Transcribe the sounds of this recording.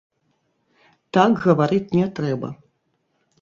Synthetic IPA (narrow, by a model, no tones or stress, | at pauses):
t̪akɣɐvaɾɨt͡sʲnʲɛt̪ɾɛbɐ̰